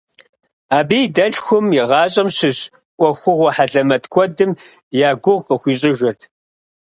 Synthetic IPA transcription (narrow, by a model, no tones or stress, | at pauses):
aːbiːdɐɮxʷʊmjɪʁɑːɕʼɐmɕɪɕ | kʷʼɔxʷʊʁʷɔħaɮʼɐmɐtkʷʰɔdɨm | jaːɡʷʊʁqəxʷiːɕʼɪʒɪrtʰ